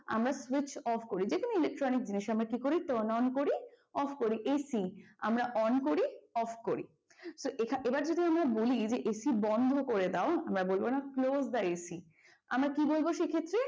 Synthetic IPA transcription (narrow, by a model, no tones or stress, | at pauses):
a̰mɾaswit͡ɕɔfʰkoɾid͡ʑekʰonoilek̚ʈɾɔnik̚d͡ʑiniʃamɾakikoɾit̪ɔnɔnkoɾi | ɔfʰkoɾiʔesia̰mɾaʔɔnkoɾiɔfʰkoɾḭ | soʔekʰaʔebaɾd͡ʑod̪ʱiamɾabolid͡ʑeʔesibɔnd̪ʱokoɾed̪aoamɾabolbonaklosd̪aeesi | a̰mɾakibolboʃekʰet̪ːɾe